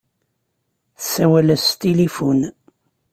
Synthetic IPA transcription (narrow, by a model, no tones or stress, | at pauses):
θəsːæwælæst̪ilifun